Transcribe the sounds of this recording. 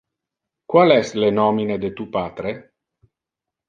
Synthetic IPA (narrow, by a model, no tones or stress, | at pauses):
kwalɛslenɔmined̪et̪upaːt̪ɾe